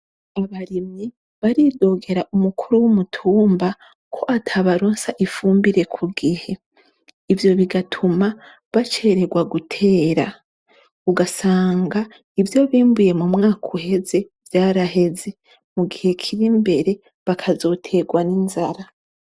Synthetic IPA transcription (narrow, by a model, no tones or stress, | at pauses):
aβaɾimɲi | βaɾido̞ːɡe̞ɾaʔumukʰuɾuwumutʰuːmba | kʰo̞ʔatʰaβaɾoːnsaʔifuːmbiɾe̞kʰuɡihe̞ | ivjo̞βiɡatʰuma | βat͡ʃe̞ːɾe̞ɡwaɡutʰe̞ːɾa | uɡasaːŋɡa | ivjo̞βiːmbuje̞mumŋaːkʰuhe̞ze̞ | vjaːɾaɦe̞ze̞ | muɡihe̞kʰiɾimbe̞ɾe̞ | βakʰazo̞ːtʰe̞ɡwaninzaɾa